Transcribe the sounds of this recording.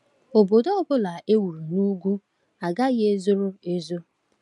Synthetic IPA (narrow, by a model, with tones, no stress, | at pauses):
o˨bo˨do˦ɔ˦bʊ˦la˨ʔe˦wu˨ɾu˨nu˦ɡʷu˦ | a˨ɡa˦ɣɪ˦e˦zʊ˦ɾʊ˦e˦zʊ˦